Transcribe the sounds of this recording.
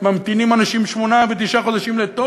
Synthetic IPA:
mamt̪inimanaʃimʃmonavet̪̬iʃaχod̪aʃimlet̪o

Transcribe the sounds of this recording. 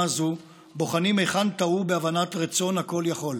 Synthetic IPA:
azu | bo̞χanimejχant̪aubeavanatʁit͡so̞nhako̞ljaχo̞l

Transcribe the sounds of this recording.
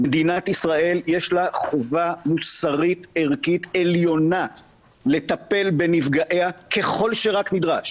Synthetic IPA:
med̪inat̪isʁae̞ljeʃlaχovamusaʁit̪eʁkit̪e̞ljo̞na | le̞t̪ape̞lbe̞nivɡaʔeakʰe̞χo̞lʃe̞ʁaknid̪ʁaʃ

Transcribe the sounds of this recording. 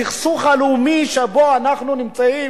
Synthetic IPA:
iχsuχalumiʃeboanaχnunimt͡sai

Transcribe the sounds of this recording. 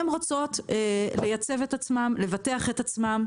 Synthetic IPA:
mʁat͡so̞t̪ele̞jat͡se̞vetat͡smamle̞vateaχetat͡smam

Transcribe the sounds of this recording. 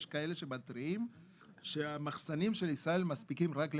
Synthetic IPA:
ʃkae̞le̞ʃe̞batɾiim | ʃeamaχsanimʃe̞lisʁae̞lmaspikimʁakl

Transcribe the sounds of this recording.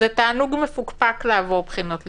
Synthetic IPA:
et̪aːnuɡmefukpakleavoʁbχinot̪l

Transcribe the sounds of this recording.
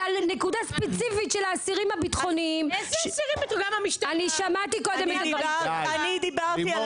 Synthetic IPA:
alne̞kud̪aspet͡sifitʃelaːsiʁimhabit̪χo̞niimsiʁimbt̪oɡamamiʃt̪aniʃamat̪iko̞d̪e̞met̪aaanid̪ibaʁi

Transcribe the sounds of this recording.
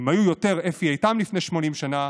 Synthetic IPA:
majujote̞ʁefiajtamlifne̞jʃmo̞nimʃana

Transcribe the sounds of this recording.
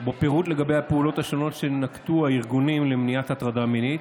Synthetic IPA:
bepeʁut̪le̞ɡabe̞japeulo̞t̪haʃo̞no̞tʃe̞nakt̪uaiʁɡunimle̞mniatat̪ʁadaminit̪

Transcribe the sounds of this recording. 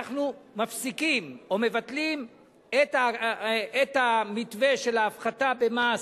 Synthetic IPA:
χnumafsikimome̞vat̪lim | et̪a | et̪hamit̪ve̞ʃe̞laːfχatabe̞ma

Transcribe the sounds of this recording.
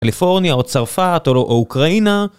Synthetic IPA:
alifo̞ʁnjaot͡saʁfatoloʔoukʁaina

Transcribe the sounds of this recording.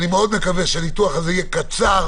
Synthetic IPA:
nimeod̪me̞kaveʃeanituaχazeijekat͡saʁ

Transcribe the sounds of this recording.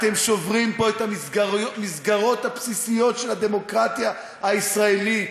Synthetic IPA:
t̪e̞mʃo̞vʁimpo̞et̪amisɡamisɡaʁo̞t̪hapsisijo̞t̪ʃelad̪e̞mo̞kʁat̪ja | haisʁaelit

